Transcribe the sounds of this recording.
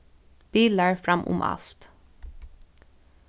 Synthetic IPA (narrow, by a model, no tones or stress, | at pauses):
b̥iːləɹfɾɑmʔʊ̰mʔɑ̰lt̪